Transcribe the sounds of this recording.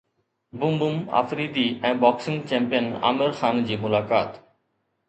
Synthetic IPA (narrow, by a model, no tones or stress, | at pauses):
bumbuma̰fɾid̪iɛ̃bɔksiŋt͡ɕɛmpijəna̰meɾxʰand͡ʑimulakaːt̪